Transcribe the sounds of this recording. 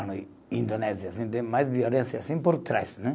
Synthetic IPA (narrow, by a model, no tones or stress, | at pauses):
nu | ĩnd̪onɛzjɐasĩnt̪ẽj̃majzviolẽsjasĩpoɾt̪ɾa̰snɛ